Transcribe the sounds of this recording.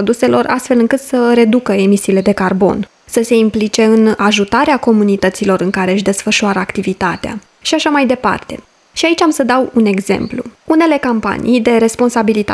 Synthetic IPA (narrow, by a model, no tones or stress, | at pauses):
od̪use̞lo̞rʔa̰st̪fe̞lɨŋkɨt̪səɾe̞d̪ukəe̞misiːle̞d̪e̞karbo̞̰n | səse̞implit͡ʃe̞ɨnaʒut̪aɾeako̞munit̪ət̪silo̞ɾɨŋkaɾe̞ɨʃ̬d̪e̞sfəʃuaɾəakt̪ivit̪at̪ea̰ | ʃiaʃamajd̪e̞pa̰rt̪e̞̰ | ʃiait͡ʃʲamsəd̪awune̞ɡze̞̰mplṵune̞le̞kampa̰nʔḭjd̪e̞ɾe̞spo̞nsabilit̪a̰